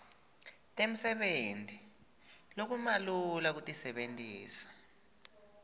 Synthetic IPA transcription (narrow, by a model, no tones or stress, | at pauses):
tʼem̩sɛɓentʼi | lok̬umalulak̬utʼisɛɓentʼiːsḁ